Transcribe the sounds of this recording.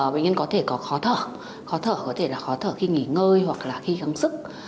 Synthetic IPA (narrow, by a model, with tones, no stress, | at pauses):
ɓa˧˨ŋɲə˧nkɔ˨˦t̪ʰe˧˩kɔ˨˦xɔ˨˦t̪ʰə̰ː˧˩˨ | xɔ˨˦t̪ʰəː˧˩kɔ˨˦t̪ʰe˧˩laː˨˩xɔ˨˦t̪ʰəː˧˩xi˧ŋḭ˧˩˨ŋəː˧jhwa˨˩k̚laː˨˩xi˧ɣa˨˦ŋsɨ˦˥k̚